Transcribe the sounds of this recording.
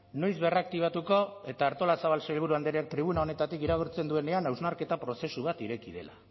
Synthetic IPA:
no̞jzβe̞rak̚t̪iβ̞at̪uko̞e̞t̪aːɾt̪o̞lasaβ̞alsejlɣ̞uɾuand̪eɾiak̚t̪ɾiβ̞unao̞ne̞t̪at̪ikiɾaɣuɾt͡se̞nd̪ue̞ne̞anawznaɾke̞t̪apɾo̞se̞suβat̪iɾe̞kiðe̞̰la

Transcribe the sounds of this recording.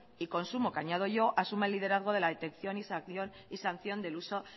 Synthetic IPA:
iko̞nsumo̞kaɲað̞o̞ʝo̞ʔasumeelːið̞e̞ɾaðɣ̞o̞ð̞e̞laðe̞t̪e̞kθjo̞nisaθjon | isanθjo̞nd̪e̞luso̞

